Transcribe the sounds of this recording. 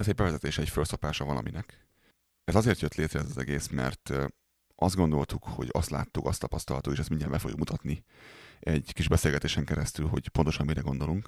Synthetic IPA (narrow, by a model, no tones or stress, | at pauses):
ɛzɛɟ̚bɛvɛzɛt̪eːʃɛɛcfølso̞paːʃɒvɒlɒ̰minɛk | ɛzɒzeːrt̪jøt̪leːt̪rɛɛzɒzɛ̰ɡeːsmɛ̰rt̪ | ʔɒzd̪ɡo̞nd̪o̞lt̪ukho̞̰ɟɒ̰st̪la̰ːt̪ːukɒst̪ɒpɒst̪ɒlɦɒt̪ouːeːʃɛst̪miɲːɛːmbɛfoɡjṵkmut̪ɒt̪ni | ɛɟkiʒbɛseːlɡɛt̪eːʃɛŋkɛɾɛst̪ylɦo̞̰ɟpo̞nt̪o̞ʃɒnmiɾɛɡo̞nd̪o̞luŋk